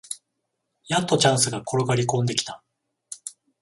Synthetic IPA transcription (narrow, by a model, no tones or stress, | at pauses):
jat̪ːo̞t͡ɕãɰ̃sɨɡakʰo̞ɾo̞ɡaɾʲikõ̞nd̪e̞kʲi̥t̪a